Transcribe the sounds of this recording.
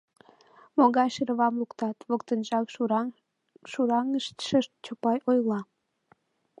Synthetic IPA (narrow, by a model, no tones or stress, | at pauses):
moɣɑjʃəɾəβɑmlukt̪ɑt̪βokt̪ənʒɑk | ʃuɾɑŋəʃt̪ʃəʃt̪̚t͡ɕopɑjʔojlɑ